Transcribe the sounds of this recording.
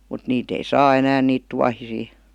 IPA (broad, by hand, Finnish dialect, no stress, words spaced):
mut niːt ei sɑː enæːn niːt tuɑhisiː